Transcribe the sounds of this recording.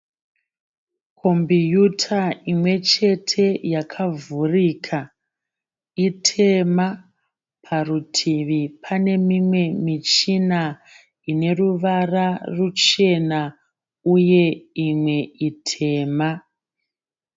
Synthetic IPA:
kʰo̞mbijutʰaimwe̞t͡ʃe̞tʰe̞jakʰavurikʰa | itʰe̞ma | pʰarutʰiʋipʰane̞mimwe̞mit͡ʃina | ine̞ruʋararut͡ʃe̞na | uje̞imwe̞itʰe̞ːma

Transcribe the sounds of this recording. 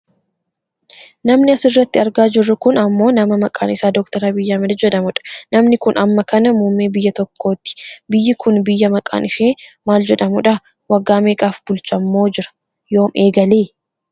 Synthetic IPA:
nɐmnɪɐsɪrːɐt̪ːɪɐɾɡaːd͡ʒɪrːʊkʊnɐmːo̞ːnɐmɐmɐkʼa̰ːnɪsaːd̪ɔkt̪ɐɾaːbɪjːaːmɛd̪ɐd͡ʒɛᶑɐmʊᶑɐ̥nɐmnɪkʊnʔɐmːɐkɐnɐmuːmːeːbɪjːɐt̪ɔkːo̞ːt̪ːɪ̥bɪjːɪkʰʊnbɪjːɐmɐkʼa̰ːnɪʃeːmaːld͡ʒɛᶑɐmʊᶑɐ | wɐɡːaːmeːkʼaːfb̥ʊlt͡ʃʼɐmːo̞ːd͡ʒɪɾɐ̥ | jo̞ːmʔeːɡɐleː

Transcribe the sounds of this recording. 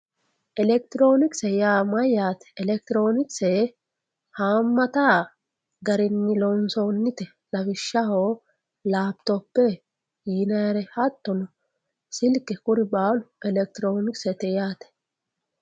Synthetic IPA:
ʔɛlɛk̚t̪ɪɾo̞ːnɪksɛjaːmɐjjaːt̪ɛ̥ːlɛk̚t̪ɪɾo̞ːnɪksɛ | haːmːɐt̪aː | ɡɐɾɪnːɪlɔnsoːnːɪt̪ɛ | lɐbɪʃːɐhoː | laːp̚t̪ɔpːɛ | jiːnɐjɐɾɛhɐt̪ːɔnɔ | sɪlkːɛkʊɾɪbaːlʊʔɛlɛk̚t̪ɪɾo̞ːnɪksɛt̪ɛjaːt̪ɛ̥

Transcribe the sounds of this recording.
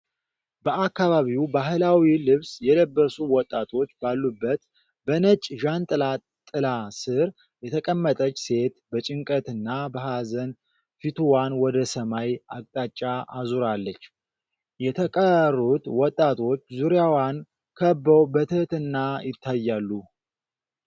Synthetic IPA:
bəakːaβaβiwbaɦɨlawilɨβsjɛləbːəsuwɔt̪ʼːat̪ʰo̞t͡ʃːbalːubːət̪ | bənət͡ʃʼːʒant̪ʼɨla | t̪ʼːɨlasɨɾ | jɛt̪ʰəkʼəmːət̪ʼət͡ʃːse̞t̪bət͡ʃʼɪŋkʼət̪ɨnːabəɦazən | fit̪ʰuwanwɔd̪əsəmajakʼt̪ʼat͡ʃʼːaʔazuɾalːət͡ʃː | jɛt̪ʰəkʼərːut̪wɔt̪ʼːat̪ʰo̞t͡ʃːzuɾjawan | kʰəbːəwbət̪ʰɨht̪ɨnːajɪt̪ːajːalːu

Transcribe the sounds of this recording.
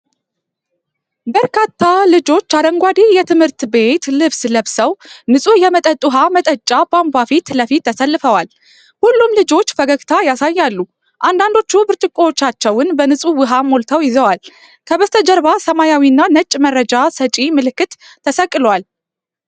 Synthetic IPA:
bəɾkʰat̪ʰːalɨd͡ʒo̞t͡ʃːad̪əŋɡʷad̪ijɛt̪ʰɨmhɨɾt̪be̞t̪lɨβsləβsəwnɨsʼujɛmət̪ʼət̪ʼuɦamət̪ʼət͡ʃʼːabambafit̪ləfit̪ːəsəlːɨfəwal | hulːumlɨd͡ʒo̞t͡ʃːfəɡəɡt̪ʰajasajːalːu | ʔand̪and̪o̞t͡ʃːubɨɾt͡ʃʼɨkʼːot͡ʃːat͡ʃːɛwɨnbənɨsʼuwɨɦamo̞lt̪ʰəwjɪzəwal | kʰəbəst̪ʰəd͡ʒəɾβasəmajawiɨnːanət͡ʃʼmərːəd͡ʒasət͡ʃʼimɨlɨkːɨt̪ʰː | əsəkʼːɨlwal

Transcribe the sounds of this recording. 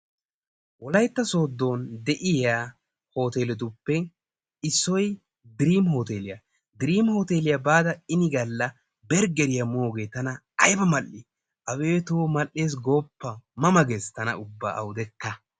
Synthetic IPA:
wɔlɐjt̪ːɐso̞ːd̪ːo̞ːnd̪ɛʔɪjaː | ho̞ːt̪eːlɛt̪̬ʊpːɛ | ɪsːɔj | d̪ɪɾiːmho̞ːt̪eːlɪja | d̪ɪɾiːmhoːt̪eːlɪjabaːd̪ɐɪnɪɡɐlːɐ | bɛɾɡɛɾɪjɐmoːɡe̞ːt̪ɐnɐ | ɐjbɐmɐlʔːɪ | ʔɐwe̞ːt̪oːmɐlːe̞ːs̬ɡoːpːɐmɐmɐɡest̪ɐnɐ̰ʊbːa̰ːʔɐ̰wd̪ɛkːɐ

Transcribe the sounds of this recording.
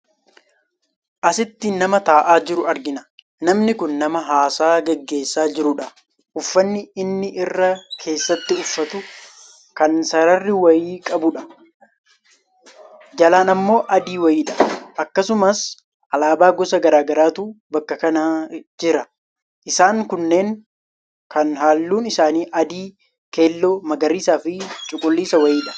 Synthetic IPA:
ʔɐsɪt̪ːɪnːɐmɐt̪aːʔaːd͡ʒɪɾʊɐɾɡɪnɐ̥ | nɐmnɪkʊnːɐmɐɦaːsaːɡɛɡːe̞ːsːaːd͡ʒɪɾʊᶑɐ | ʔʊfːɐnːɪɪnːɪʔɪrːɐkʰe̞ːsːɐt̪ːɪʊfːɐt̪ʊ | kɐnsɐɾɐrːɪwɐjiːkʼɐbʊᶑɐ | d͡ʒɐlaːnɐmːo̞ːʔɐd̪iːwɐiːᶑɐ̥ʔɐkːɐsʊmɐs | ʔɐlaːbaːɡɔsɐɡɐɾaːɡɐɾaːt̪uːbɐkːɐkɐnɐd͡ʒɪɾɐ | ʔɪsaːŋkʊnːe̞ːŋ | kɐnɦaːlːuːnɪsaːniːʔɐd̪iː | ke̞ːlːoːmɐɡɐɾiːsaːfɪt͡ʃʼʊkʼʊlːiːsɐwɐjiːᶑɐ̥

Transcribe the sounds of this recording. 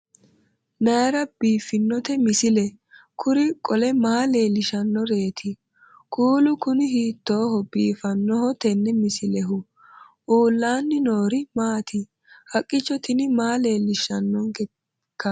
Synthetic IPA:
nɐjɐɾɐb̥iːfːɪnːɔt̪ɛmɪsɪlɛ | kʰʊɾɪkʼɔlɛmaːleːlɪʃɐnːɔɾe̞ːt̪ʰɪ | kʰuːlʊkʊnɪhiːt̪ːoːhɔbiːfɐnːɔhɔt̪ɛnːɛmɪsɪlɛɦʊ | ʔuːlːaːnːɪnoːɾɪmaːt̪ʰɪ | hɐkʼːɪt͡ʃːɔt̪ɪnɪmaːle̞ːlːɪʃɐnːɔnɡɛ | kːɐ

